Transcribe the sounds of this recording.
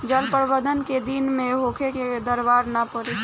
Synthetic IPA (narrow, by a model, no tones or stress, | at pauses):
d͡ʒəlpəɾbəd̪ənked̪inmẽɦoːkʰeked̪əɾbaːɾnapəɾi